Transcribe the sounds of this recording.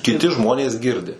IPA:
kʲɪˈtʲɪ ˈʒmoːnʲeːs ˈɡʲɪrʲdʲɪ

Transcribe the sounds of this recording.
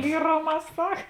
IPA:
ˈlʲiːroːˌmɑː ˈsɐk

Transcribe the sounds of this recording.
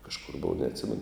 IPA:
kɐʃˈkʊr ˈboːʋɐ nʲɛɐtʲˈsʲɪmʲɛnʊ

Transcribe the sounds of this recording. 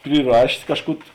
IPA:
pʲrʲɪˈrɑːʃʲeːs ˈkɑːʃˌkuː

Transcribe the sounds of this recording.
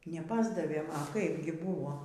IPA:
nʲɛˈpɑːzdɐʋʲeːm ɐ ˈkɐɪp ɡʲɪ ˈbuːʋoː

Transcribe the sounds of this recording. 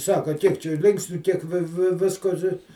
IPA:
ˈsɑːkɐ ˈkʲiɛk t͡ʃʲɛ ˈlʲɪŋksʲnʲʊ kʲiɛk ˈʋʲɪ ˈʋʲɪ ˈʋʲɪskoː tʲɪ

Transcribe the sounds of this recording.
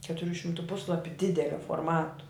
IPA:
kʲɛtʊˈrʲuː ʃʲɪmˈtuː ˈpʊslˠɐpʲʊ ˈdʲɪdʲɛlʲoː foːrˈmɑːtʊ

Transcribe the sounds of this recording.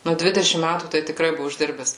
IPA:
ˈnʊ ˈdʲʋʲɪdʲɛʃʲɪm ˈmʲætuː tɐɪ tʲɪˈkrɐɪ ˈbʊʋʊ ɪʒʲˈdʲɪrʲbʲɛs

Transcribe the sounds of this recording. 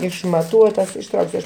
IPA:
ɪʃmɐˈtuɔtɐs ɪʃˈtrɐʊksʲʊ ɐʃ

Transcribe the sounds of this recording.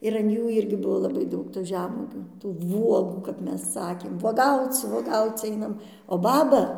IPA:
ɪr ɐn ˈjuː ˈɪrʲɡʲɪ ˈbʊʋoː lˠɐˈbɐɪ ˈdɐʊk tuː ˈʒʲæːmuɔɡʲuː tuː ˈʋuɔɡuː kɐp ˈmʲɛs ˈsɑːkʲeːm ʋuɔˈɡɐʊt͡s ʋuɔˈɡɐʊt͡s ˈɐɪnɐm oː ˈbɑːbɐ

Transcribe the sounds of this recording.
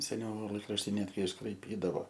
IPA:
sʲɛˈnʲɛʊ ˈlˠɐɪkrɐʃʲtʲɪ ˈnʲæːdʲɡʲɪ ɪʃkrɐɪˈpʲiːdɐʋoː

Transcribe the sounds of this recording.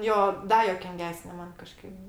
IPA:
ˈjoː ˈdɐ juɔkʲɪŋʲˈɡʲæːsʲnʲɛ ˈmɐn kɐˈʃkɐɪp

